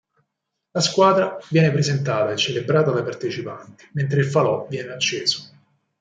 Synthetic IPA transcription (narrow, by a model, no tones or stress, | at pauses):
laskwaːd̪ɾavjɛːnepɾezent̪aːt̪aet͡ʃːelebɾaːt̪alapart̪et͡ʃipant̪i̥ment̪ɾeilfalɔvjɛːneat͡ʃːeːzo̥